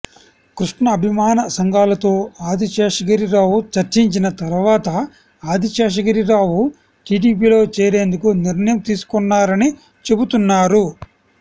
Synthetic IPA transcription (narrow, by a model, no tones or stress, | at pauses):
kɾuʂʈɳɐːbʱimaːnɐsɐŋɡaːlɐt̪o̞ːaːd̪ʱit͡ʃeːʂɐɡɐɾiɾaːwut͡ʃɐɾt͡ʃiɲt͡ʃinɐt̪ɐɾuʋaːt̪ɐ | aːd̪ʱit͡ʃeːʂ̬ɐɡɐɾiɾaːwu | ʈiːɖiːp̬iːlo̞ːt͡ʃeːɾe̞ːnd̪ukuniɾnɐjɐmt̪iːsu̥kunːaːɾɐni | t͡ʃe̞but̪unːaːɾu